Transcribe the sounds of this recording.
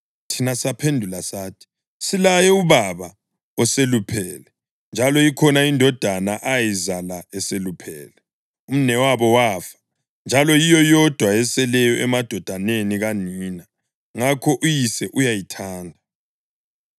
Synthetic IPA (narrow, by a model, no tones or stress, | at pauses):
tʰinasapʰendʱulasaːtʰi̥ | silajɛuβaβa | ɔselupʰɛːlɛ | nd͡ʒʱalɔikʰɔnaindʱɔd̥ʱanaʔajizalaɛselupʰɛ̰ːlɛ | um̩nɛwaβɔwaːfḁ | nd͡ʒʱalɔjijɔjɔd̥ʱwaɛsɛlɛjɔʔɛmad̥ʱɔd̥ʱaneniɣaniːna | ŋakʰɔʔujisɛʔujajitʰaːndʱa